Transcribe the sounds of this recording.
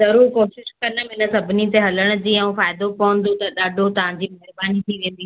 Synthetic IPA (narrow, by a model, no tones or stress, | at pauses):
zɐɾuːɾkoːʃɪʃkɐnə̆mɪnə̆sɐbʱɪnit̪eɦɐləɽ̃ʊ̆d͡ʑiːɛ̃ũfaːɪd̪opɐə̃n̆d̪ot̪ɐɗaːɖʱot̪ɐʋ̤ãɲd͡ʑiːmeɦɪɾbaːnit̪ʰiʋẽːn̆d̪iː